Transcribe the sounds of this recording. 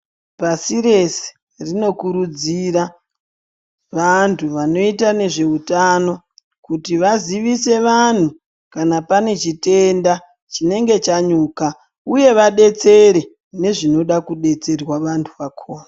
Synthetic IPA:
pasiɾe̞se̥ | rino̞kuɾud͡ziɾa | ʋantʰuʋano̞itane̞ʐe̞utano̞ | kutiʋaziʋise̞ʋan̤u | kanapane̞t͡ʃite̞nda | t͡ʃine̞ŋɡe̞t͡ʃaɲuːka | uje̞ʋaɗe̞t͡se̞ɾe̞ | ne̞ʐino̞ɗakuɗe̞t͡se̞rwaʋantʰuʋakʰoːna

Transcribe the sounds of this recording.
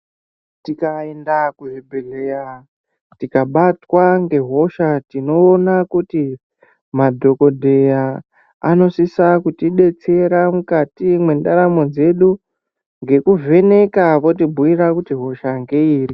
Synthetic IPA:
tikaendakuɦebʱeleja | tikaɓatwaŋɡe̞ɦo̞ʃatino̞ːnakuti | madʱo̞ko̞dʱe̞jaː | no̞sisakutiɗe̞t͡se̞ɾamukatimwe̞ndaɾamo̞d͡ze̞ɗu | ŋɡe̞kuvʱe̞ne̞kaʋo̞tibʱuiɾakutiɦo̞ʃaŋɡe̞iːri

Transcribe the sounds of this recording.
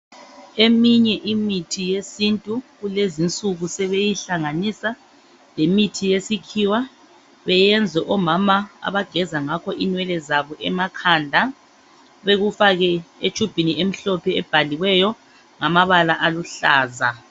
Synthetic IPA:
emiɲɛʔimitʰijesintʼuɣulezint͡sʼuɣusɛβejiɬaŋanisa | lemitʰijesikʰiwa | βɛjɛnd͡zʱwɛʔɔmamaa̰βaɡ̥ʱɛzaŋakʰɔʔinwɛlɛzaβɔʔɛmakʰandʱa | βeɣufaɣɛet͡ʃʰʼub̥ʱiniem̩ɬɔpʰɛɛb̥ʱaliwɛjɔ | ŋamaβalaʔaluɬaːza

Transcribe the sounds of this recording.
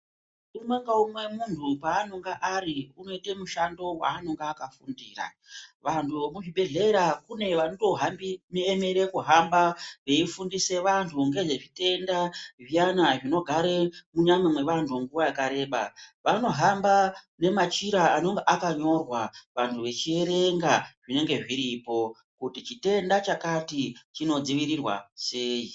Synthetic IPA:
umwe̞ŋɡaumwe̞muntʰupaːnoŋɡaʔariuno̞itemuʃando̞wa̰ːnoŋɡeːkafundiːra̰ | ʋantʰumuʐiɓe̞ɮe̞ɾakune̞ʋanoto̞ɦambimieme̞ɾe̞kuɦambaʋe̞ifundise̞ʋantʰuŋɡe̞ʐe̞ʐite̞ndaʐijanaʐino̞ɡʱaɾemuɲamemwe̞ʋantʰuŋɡuʋajakaɾe̞ːɓa̰ʋano̞ɦamba | ne̞mat͡ʃiɾaano̞ŋɡeʔakaɲo̞rwaʋantʰuʋe̞t͡ʃie̞ɾe̞ŋɡaʐ̥ine̞ŋɡe̞ʐiɾipo̞ | kutit͡ʃite̞ndat͡ʃakatit͡ʃino̞d͡ziʋiɾirwa̰se̞ːji

